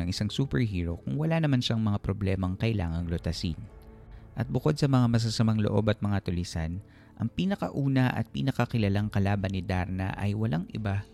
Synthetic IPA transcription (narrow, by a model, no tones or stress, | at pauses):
ɐŋʔɪsaŋsuːpɛɹɦiːɹokʊŋwɐlanɐmanʃaŋmɐŋapɾoblɛmɐŋkɐʔɪla̰ːŋɐŋlot̪ɐsḭnʔɐt̪̚bʊko̞d̪̚sɐmɐŋamɐs̬asɐmaŋlo̞ʔo̞bɐt̪̚mɐŋat̪ʊlisan | ʔɐŋpiːnɐkɐ̰ʔuːnɐʔɐ̰t̪̚pḭːnɐkɐkɪlɐlaŋkɐlaːbɐnɪd̪aɾnɐ̰ʔɐ̰jwɐlʔaŋʔɪba